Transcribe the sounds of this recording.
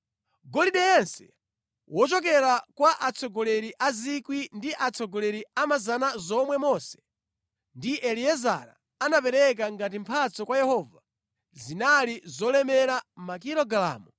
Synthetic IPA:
ɡɔliɗɛjɛnsɛ̥ | wʔɔt͡ʃɔkɛɾakwaʔat͡sʰɔɡɔlɛɾiʔazikwindiʔat͡sʰɔɡɔlɛɾiamazanazɔmwɛmɔsɛ̥ | ndiʔɛliɛza̰ɾa̰ːnap̬ɛɾɛk̬aŋɡat̬im̩pʰat͡sɔkwajɛhɔva | zinalizɔlɛmɛɾamakiɾɔɡala̰ːmɔ

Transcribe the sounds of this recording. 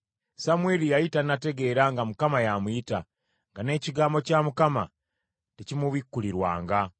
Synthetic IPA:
samweːlijaitanate̞ɡe̞ɾaŋɡamukamajamuita | ŋɡane̞ːciɡaːmbo̞caːmukama̰ | tecimuβikːuliɾwa̰ːŋɡa

